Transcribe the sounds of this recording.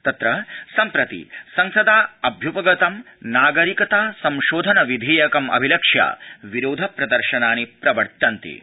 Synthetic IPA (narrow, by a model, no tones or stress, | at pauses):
t̪ɐt̪ɾɐsɐmpɾɐt̪ḭsɐŋsɐd̪aːɐbʱjupɐɡɐt̪ɐm | naːɡɐɾikɐt̪aːsɐmʃoːd̪ʱɐnɐʋid̪ʱeːjɐkɐmɐ̰bʱilɐkʂja̰ːʋiɾoːd̪ʱɐpɾɐd̪ɐɾʃɐnaːnipɾɐʋɐɾt̪ɐnt̪ḭ